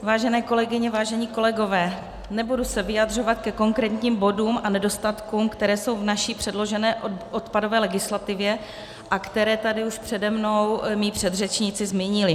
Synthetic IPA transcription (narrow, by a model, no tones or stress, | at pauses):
vaːʒɛnɛːko̞lɛɡɪɲɛvaːʒɛɲiːko̞lɛɡo̞vɛː | nɛbudusɛvɪjad̪r̝o̞vat̪kɛko̞ŋkɾɛːt̪ɲiːmbo̞duːmʔanɛdo̞st̪at̪kuːmkt̪ɛɾɛːso̞wvnaʃiːpr̝̥ɛdlo̞ʒɛnɛːot̪pado̞vɛːlɛɡɪslat̪ɪvjɛ | ʔakt̪ɛɾɛːt̪adɪuʃpr̥ɛdɛmno̞wmiːpr̥ɛd̪rɛt͡ʃɲɪt͡sɪzmiːɲɪlɪ